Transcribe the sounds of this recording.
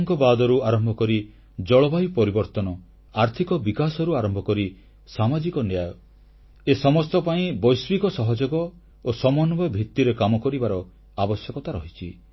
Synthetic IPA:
ŋkɔbad̪ɔɾuaɾɔmbʱɔkɔɾi | d͡ʒɔɭɔbajupɔɾibɔɾt̪ɔnɔ | aɾt̪ʰikɔbikasɔɾuaɾɔmbʱɔkɔɾi | samad͡ʒikɔnjajɔ | esɔmɔst̪ɔpaĩbɔjsbikɔsɔɦɔd͡ʒoɡɔ | osɔmɔnɔbɔbʱit̪ːiɾekamɔkɔɾibaɾɔ | abɔsjɔkɔt̪aɾɔɦit͡ʃʰi

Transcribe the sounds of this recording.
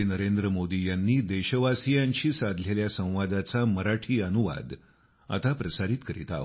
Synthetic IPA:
nəɾend̪ɾəmod̪ijanːiːd̪eɕəʋasijaɲt͡ɕiːsad̪ʱleljasə̃w̃ʋad̪at͡saməɾaʈʰiːənuʋa̰d̪ | a̰t̪apɾəsaɾit̪kəɾḭt̪a̰ɦ

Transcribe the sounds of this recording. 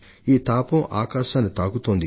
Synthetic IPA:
iːt̪aːpɐmʔa̰ːkaːʃaːnːit̪aːɡut̪oːnd̪i

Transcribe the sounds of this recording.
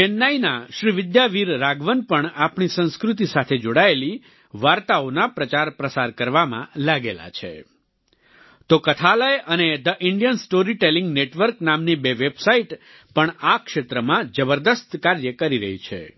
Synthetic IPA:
enːainaʃɾiʋɪd̪jaʋiɾːaɡʋənpəɳapɳisə̃ñskɾut̪̬isat̪ʰed͡ʒoɽaeli | ʋaɾt̪aonapɾət͡ʃaɾpɾəsaɾkəɾʋamã̰laɡela̰t͡ʃʰḛ | t̪okət̪ʰaləjəned̪əʔɪɳɖijənsʈoɾiʈeliŋɡneʈʋəɾknamnibeʋebsaiʈ | pəɳakʃet̪ɾəmãd͡ʒəbəɾd̪əst̪kaɾjəkəɾiɾə̰ɦḭt͡ʃʰḛ

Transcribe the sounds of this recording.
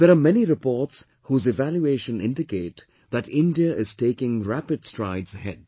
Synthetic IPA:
ð̥əɾamɛniɾɪpɔːts | huːzɪvæljueɪʃə̃nɪ̰̃nɖɪkeɪt | ðæʈɪ̃ndiəʔɪz̥ʈeɪkɪ̃ŋɹæpɨd̥stɾaɪdzəɦɛ̰d̥̚

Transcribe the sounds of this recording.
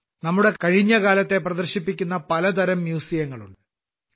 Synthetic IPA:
nɐmːuɽe̞kɐɻiɲːɐkaːlɐt̪ːe̞prɐd̪ɐrɕipːikʲːunːɐpɐlɐt̪ɐɾɐmːjuːsijɐŋːɐɭuɳɖɨ

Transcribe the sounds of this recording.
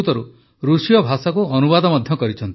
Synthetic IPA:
t̪ɔɾu | ɾusijɔbʱasakuɔnubad̪ɔmɔd̪ʱjɔkɔɾit͡ʃʰɔnt̪

